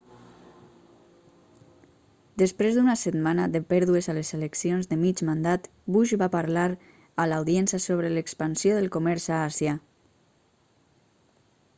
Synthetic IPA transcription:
d̪əspɾezd̪unasət̪manəðəpɛɾðuezəlezeleksionzðəmit͡ʃmand̪at̪ | buʒβapaɾlaɾ | əlawðiɛnsiəsoβɾələkspənsjoðəlˠkomɛɾzaasja

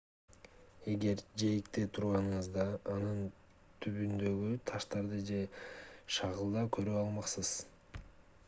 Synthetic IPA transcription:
e̞ɡe̞ɾd͡ʒe̞jikt̪et̪ʰuɾʁɑnɯɴɯzd̪ɑːnɯn | t̪ʰyβynd̪ø̞ɡyt̪ʰɑʃt̪ɑɾd̪ɯd͡ʒe̞ʃɑʁɯlˠd̪ɑkʰø̞ɾyɑlˠmɑqsɯz̥

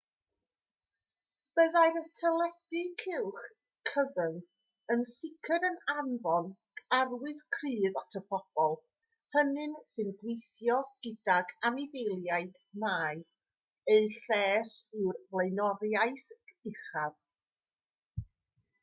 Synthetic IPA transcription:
b̥əðajɾətʰəlˠɛdɨkʰɪlˠχ | kʰəvən | ənsɪkʰəɾənanvɔn | arwɪðkʰriːðatʰəpʰɔb̥ɔlˠ | hənɨnsɨnɡwejθjɔɡ̥ɪdaɡanɪvejlˠjaɨd | maːj | eɨɬɛːsɨrvlˠejnɔɾjajθɪχað̥

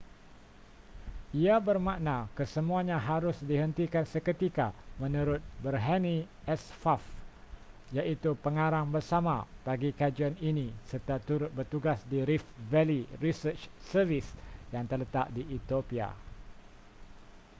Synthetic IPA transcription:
iabərmãʔnakəsəmũaɲãɦaɾʊsdiɦənt̪ikansəkət̪ikamə̃nũɾʊt̪̚bərɦani | ʔɛsfaf | jaʔit̪upəŋaɾaŋbərsama̰b̥aɡikad͡ʒianinisərt̪at̪uɾʊt̪̚bərt̪uɡasdiɾifvɛlirisət͡ʃsərvisjaŋt̪ərlət̪aʔdiːt̪iopia̰

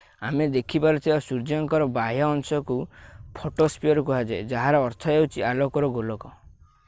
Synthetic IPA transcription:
amed̪ekʰipaɾɔt̪ʰibasuɾd͡ʒɔŋkɔɾɔbaɦjɔːnsɔkupʰoʈospiɔɾɔk̬uɦad͡ʒed͡ʒaɦaɾɔːɾt̪ʰɔewt͡ʃʰialokɔɾɔɡolɔkɔ

